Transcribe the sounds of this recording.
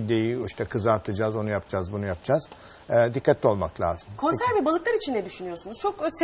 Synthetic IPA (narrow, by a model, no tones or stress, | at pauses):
id̪ejiiʃt̪ʰakʰɯzaɾt̪ʰɯd͡ʒazo̞nujapd͡ʒazbunujap̚d͡ʒaz̥ | d̪ikʰːat̪ʰːʲɛolˠmaklʲa̰ːz̥ɯmkʰo̞nsæɾvɛbalˠɯklˠaɾit͡ʃʰind̪ɛd̪yʃynyjo̞ɾsunuz̥t͡ʃʰo̞ks